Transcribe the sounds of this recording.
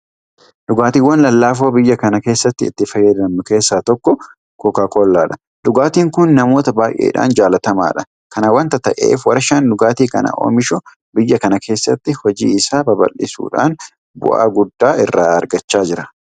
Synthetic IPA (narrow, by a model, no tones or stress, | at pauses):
d̪ʊɡaːt̪iːwːɐnlɐlːaːf̬oːbɪjːɐkɐnɐke̞ːsːɐt̪ːɪɪ̰t̪ːɪfɐjɛd̪ɐmːʊke̞ːsːaːt̪ɔkːɔ | kɔkaːkoːlːaːᶑɐ̥ | d̪ʊɡaːt̪iːŋkʊnːɐmo̞ːt̪ɐbaːjʔḛːᶑa̰ːnd͡ʒaːlɐt̪ɐma̰ːᶑɐ | kɐnɐwɐnt̪ɐt̪ɐʔḛːfwɐɾɐʃɐnd̪ʊɡaːt̪iːkɐ̰nɐ̰ʔo̰ːmɪʃʊ | bɪjːɐkɐnɐkʰe̞ːsːɐt̪ːɪhɔd͡ʒḭːɪsaːbɐbɐ̰lːɪ̰sṵːᶑa̰ːn | bʊ̰ʔa̰ːɡʊd̪ːaːɪrːaːɐɾɡɐt͡ʃːaːd͡ʒɪɾɐ